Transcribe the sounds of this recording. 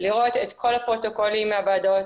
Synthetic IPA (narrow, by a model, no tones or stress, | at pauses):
liʁo̞t̪et̪kʰo̞lapʁo̞t̪o̞ko̞limːeabaːd̪o̞t